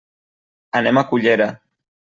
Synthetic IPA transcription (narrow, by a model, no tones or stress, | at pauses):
anemakuʎeɾa